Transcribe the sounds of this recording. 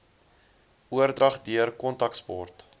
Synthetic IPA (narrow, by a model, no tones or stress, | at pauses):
uərdrɐχdiərkɔntɐkspɔrt